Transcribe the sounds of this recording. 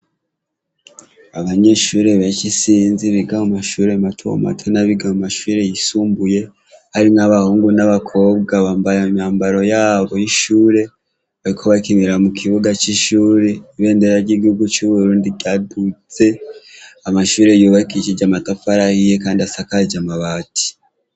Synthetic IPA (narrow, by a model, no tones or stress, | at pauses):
aβaɲe̞ʃuːɾe̞βat͡ʃisiːnziβiɡamumaʃuːɾe̞matʰo̰ma̰tʰonaβiɡamumaʃuːɾe̞jisuːmbuje̞ | haɾinaβahuːŋɡunaβakʰo̞ːb̚ɡaβaːmbajammɲaːmbaɾo̞jaːβo̞jiʃuːɾe̞ | βaɾikʰoβakimiɾamukʰiβuɡat͡ʃiʃuːɾe̞iβe̞ːndeɾaɾɟiːɡihuɡut͡ʃuβuɾuːndiɟadut͡se̞ | amaʃuːɾe̞juβaikit͡ʃiɟamatafaɾahijekaːndiasakaɟamaβaːti̥